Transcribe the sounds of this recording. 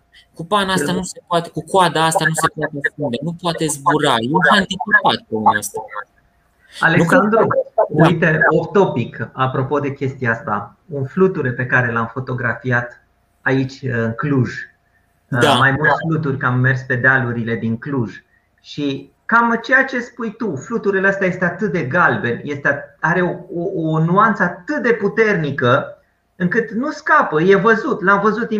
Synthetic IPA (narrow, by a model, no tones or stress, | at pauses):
kupanast̪anuse̞poat̪ekukwad̪aast̪anuse̞poat̪easpund̪e̞nupoat̪e̞zbuɾajeɦant̪it͡ʃipat̪̚peunɛost̪ak̪mast̪a | alekand̪ɾuujt̪eopt̪o̞pikapɾo̞po̞d̪e̞kʲe̞st̪iaast̪a | unflut̪uɾe̞pe̞kaɾe̞lamfo̞t̪o̞ɡɾafiat̪ | ait͡ʃʲɨŋkluʒ | majmult̪eflut̪̬urʲkamːe̞rspe̞d̪aluɾile̞d̪iŋkluʒ | ʃi | kamt͡ʃe̞jat͡ʃe̞spujt̪uflut̪uɾeleəst̪aje̞st̪eat̪ɨt̪̚d̪e̞ɡalbe̞nje̞st̪eaɾe̞ooonuant̪səat̪ɨt̪̚d̪e̞put̪e̞rnikə | ɨŋkɨt̪nuskapəje̞vəzut̪lamvəzut̪i